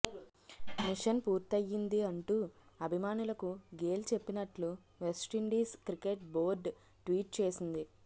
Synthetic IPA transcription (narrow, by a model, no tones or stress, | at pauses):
miʂɐnpuːɾt̪ɐjːind̪iɐɳʈuɐbʱimaːnulɐkuɡe̞ːlt͡ʃe̞pːinɐʈlu | ʋesʈiɳɖiːskɾikeʈbo̞ːɾɖ | ʈʋiːʈ̚t͡ʃe̞ːsind̪i